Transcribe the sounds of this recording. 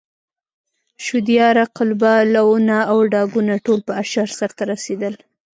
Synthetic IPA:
ʃʊd̪jɑɾaqʊlbalawunaːwɖɑɡunaʈolpəaʃaɾsaɾt̪aɾased̪əl

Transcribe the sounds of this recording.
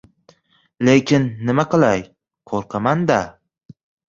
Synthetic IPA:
lekʲʰɪnːɪmaqɨlˠaj | qʰoɾqʰɑmand̪a

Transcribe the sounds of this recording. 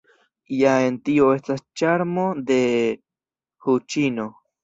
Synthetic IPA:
jae̞ntio̞e̞stast͡ʃaɾmo̞de̞ | hut͡ʃino̞

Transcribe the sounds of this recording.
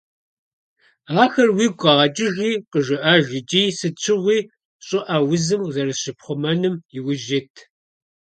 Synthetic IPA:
aːxɐrwiːɡʷʼɐʁɐt͡ʃʼɪʒiːqəʒɪʔaːʒɪt͡ʃʼiːsɨt͡ɕʰɪʁʷiː | ɕʼɨʔawʊzɨmzɐɾɨɕɪpχʷɔmɐnɨmjɪwʊʒɪtʰ

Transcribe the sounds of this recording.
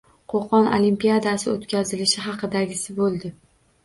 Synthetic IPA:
qʰoqʰɒno̰limpijad̪asɪot̪kʲazɪlɪʃɪɦɑqɨd̪aɡʲɪsɪbolˠd̪ɪ

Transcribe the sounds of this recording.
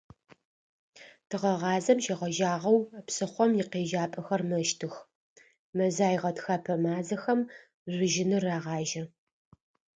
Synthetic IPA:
tʰɨʁɐʁɑːzɐmʃɪʁɐʒaːʁɐwpsɨχʷɔmjɪqeːʒaːpʼɐxɐrmɐʃtʰɨx | mɐzaːjʁɐtxaːpʰɐmaːzɐxɐm | zʷʊʒɪnɨraːʁɑːʒɐ

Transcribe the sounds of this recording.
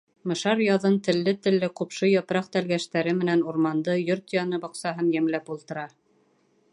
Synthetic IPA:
mɤ̆ʃɑɾjɑðɤnt̪ɘ̆lːɘt̪ɘ̆lːɘqupʃɤjɑpɾɑq̚t̪ælɡæʃt̪æɾɘmɘ̆nænuɾmɑnd̪ɤjoɾt̪jɑnɤbɑqsɑɦɤnjæmlæpulˠt̪ɤ̆ɾɑ

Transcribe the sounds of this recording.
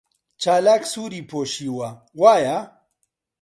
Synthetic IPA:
t͡ʃaːlaksuɾipoɕiwa | waːja

